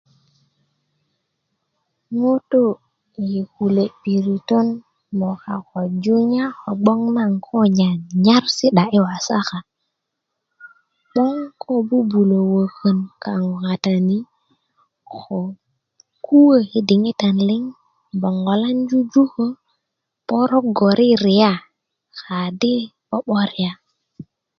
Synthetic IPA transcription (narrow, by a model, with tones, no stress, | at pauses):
mo˦to˦ | ji˨ku˨le˨pi˨ɾi˨to˦n | mo˨ka˨ko˨d͡ʒu˦ɲa˦xo˨ɡ͡bo˦ŋna˦˨ŋkʰo˦ɲa˨nɲa˦ɾsi˦ɗa˨ʔi˦wa˨sa˦xa˨ | ɓo˦ŋkʰo˦˨bu˦bu˨lo˨wə˨kə˨nkʰa˨ŋo˨ka˨ta˨ni˦ | xo˨ | kʰu˦wə˨hi˦di˨ŋi˦ta˨nli˦ŋ | bo˨ŋɡo˨la˦nd͡ʒu˦d͡ʒu˦xə˦ | po˦ɾo˦ɡo˨ɾʔi˦ɾi˨ja˦ | xa˨di˦ɓo˦ɓo˦ɾi˨ja˦